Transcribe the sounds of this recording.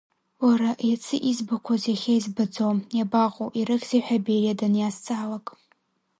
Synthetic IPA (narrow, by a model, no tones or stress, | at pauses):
waɾaʔjat͡sʰɨʔizbakʷʰazjaχʲajzbad͡zojabaʁʷʼuʔiɾɨkziħᶣaberiadanjast͡sʼaːlakʼ